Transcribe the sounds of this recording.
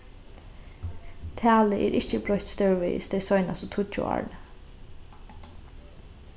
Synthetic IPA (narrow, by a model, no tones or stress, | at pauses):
t̪ʰæːləʔḛːɾʔɪççəbɾœçt̪st̪œɹʋḭːsd̪eɪsɔʏnasɔt̪ʰʊt͡ʃːʊ̰ɑ̰ɹɳ